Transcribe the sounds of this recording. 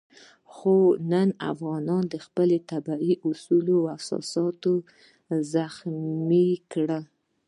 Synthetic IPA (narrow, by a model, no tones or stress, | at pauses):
xonəna̰fɣɑnɑnd̪əxpəlet̪abaiʔʊsulowasɑ̰sɑt̪o | zaxmikɽə